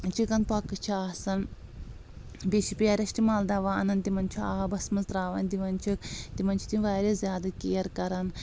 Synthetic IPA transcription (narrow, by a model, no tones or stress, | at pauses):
t͡ʃʰikɐnpɐkːɨt͡ʃʰiaːsɐn | bʲeʃipijaːɾʲɐʃtimaːld̪ɐʋaɐnɐnt̪imɐnt͡ʃʰuaːbɐsmɐnzɾaːʋɐnd̪iʋɐnt͡ʃʰikt̪imɐnʲt͡ʃʰi̥t̪ĩʋaːɾʲezjaːd̪ɐkijɐɾkɐɾɐn